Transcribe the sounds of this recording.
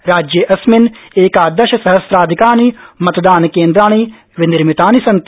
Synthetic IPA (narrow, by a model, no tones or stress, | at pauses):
ɾaːd͡ʒjɐʔɐsmɪneːkaːd̪ɐʃɐsɐɦɐsɾaːd̪ʱikaːniːmɐt̪d̪aːnkeːnd̪ɾaːɳ̃iː | ʋɪnɪɾmit̪aːnisɐnt̪